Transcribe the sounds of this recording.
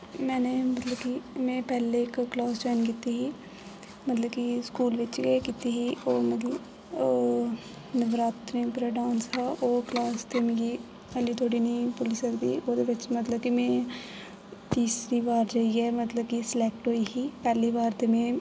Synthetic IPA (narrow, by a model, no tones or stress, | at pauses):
mɛ̃ːneːmət̪ləbkimɛ̃ːpɛːleːɪkːlaːsd͡ʒaːɪnkiːt̪iːɦiː | mət̪ləbkiskuːlʋɪt͡ʃɡkiːt̪iːɦiːoːməd̪iː | nɪbɾaːt̪ɾĩːpɾeɖãːnsaːʔoːklaːst̪eːmɪ̃ɡiː | əliːt̪ʰoːɽiːniːpʊlɪsəɾd̪iːoːd̪eːʋɪt͡ʃmət̪ləbkimɛ̃ː | t̪iːsɾiːʋaːɾd͡ʒaːiːɛːmət̪ləb̚kisɪlɛːk̚ʈɦoːiːɦiːpɛːliːʋaːɾt̪eːmẽː